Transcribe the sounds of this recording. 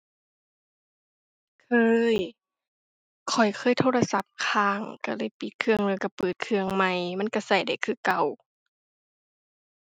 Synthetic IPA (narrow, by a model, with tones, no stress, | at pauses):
kʰɤː˧j | kʰɔ˨˩jkʰɤː˧˥˨jt̪ʰoː˧la˧sa˧˦p̚kʰaː˧˩ŋka˧˩lɤː˧˥˨jpi˧˩t̪̚kʰɯ˧əŋlɤː˧˩jka˧˩pɤː˨˩t̪̚kʰɯ˧əŋma˧˩jma˧˥˨nka˧˩sa˨˩jda˧˨˩jkʰɯː˧˩ka˧˩w